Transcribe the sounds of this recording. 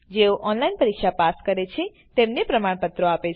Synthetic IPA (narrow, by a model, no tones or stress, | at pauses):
d͡ʒeoʔɔnlainpəɾikʃapaskəɾet͡ʃʰe | t̪emnepɾəmaɳpət̪ɾoape